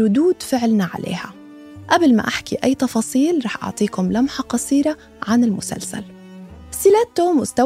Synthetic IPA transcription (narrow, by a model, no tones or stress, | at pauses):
ʊd̪uːd̪fɪʕlnaʕa̰lḛːha | ʔablma̰ʔaħkiʔajːt̪ɑfɑːsˤiːlɾˤɑːħʔɑ̰ʕt̪ˤiːkʊmlamħɑqɑsˤiːɾa | ʕanɪlmʊsa̰lsa̰l | sɪlat̪ːʊmʊst̪a